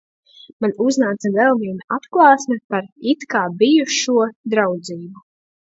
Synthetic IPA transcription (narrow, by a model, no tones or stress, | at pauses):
manuznaːt̪sɐvɛlˠviɛnaat̪klˠɑːsmɛpaɾit̪kaːbijuʃuɔd̪ɾawd̪ziːbu